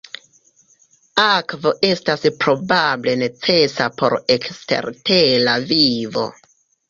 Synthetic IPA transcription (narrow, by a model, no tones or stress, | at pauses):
akvo̞ʔe̞staspɾo̞bable̞ne̞t͡se̞sapo̞̰ɾe̞kste̞̰ɾtelavivo̞̰